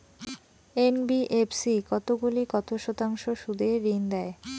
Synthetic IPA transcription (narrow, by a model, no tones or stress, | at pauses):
enbiʔepsikɔt̪oɡulikɔt̪oʃɔt̪aŋʃoʃud̪eɾind̪ɛe